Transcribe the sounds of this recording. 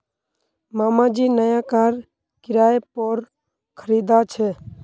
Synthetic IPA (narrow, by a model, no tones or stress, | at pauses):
maːmãːd͡ʒiːnəjãːkaːɾ | kɪɾaːjepoːɾ | kʰəɾiːd̪aːt͡ʃʰɛː